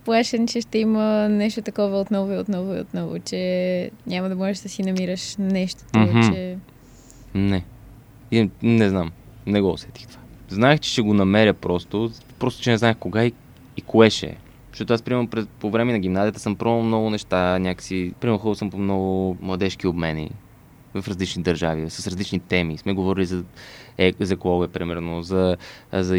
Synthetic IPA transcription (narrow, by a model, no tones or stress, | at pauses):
plˠaʃɛnt͡ʃɛʃt̪ɛimənɛʃt̪ot̪ɐkɔvəot̪nɔvʊiot̪nɔvʊiot̪nɔvʊ̰t͡ʃɛɲʲamɐd̪ɐmɔʒɛʃd̪ɐsinɐmiɾəʃnɛʃt̪o̥t̪t͡ʃɛ | nɛ | iznɛznam | nɛɡoo̰sɛt̪i̥xt̪o̥vaznaɛxt͡ʃɛ̥ʃɛɡonɐmɛɾʲəpɾɔst̪o | pɾɔst̪o̥t͡ʃɛnɛzaɛxkoɡai | ikoɛʃɛ̰̥ | ʃt̪ɔt̪oaspɾimɛɾnopɾɛpovɾɛmɛnɐɡ̟ʲimnazijət̪ə̥səmpɾɔmɾnomnɔɡʊnɛʃt̪anʲakə̥sipɾimɛɾnʊxolˠsəmpomnɔɡʊmlˠɐd̪ɛʃkiobmɛnḭ | vɐfɾɐzlit͡ʃnid̪ɐɾʒavisɐ̥sɾɐzlit͡ʃnit̪ɛmismɛɡovɔɾilizɐɛzɐkɔɡoɛpɾimɛɾnozɐzɐ